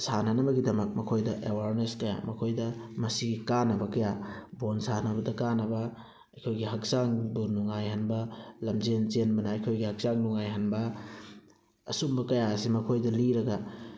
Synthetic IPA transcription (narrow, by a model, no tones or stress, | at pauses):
sanɐnɐbɐɡidɐmɐk̚mɐkʰojdɐʔewaɾneskɐja̰mɐkʰojdɐmɐsiɡikanːɐbɐkɐjabonsanɐbɐdɐkanɐbɐ | ɐjkʰojɡiɦɐk̚saŋbunuŋajɦɐnbɐlɐmzenzenbɐnɐɐjkʰojɡihɐk̚zaŋnuŋajɦɐnbɐ | sumbɐkɐjasimɐkʰojdɐliɾɐɡɐ